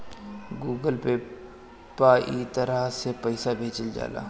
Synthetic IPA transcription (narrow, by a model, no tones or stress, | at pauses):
ɡuːɡəlpe | paːʔit̪ɐɾaɦsepɐɪsabʱeːt͡ʃəld͡ʒa̰ːla̰ː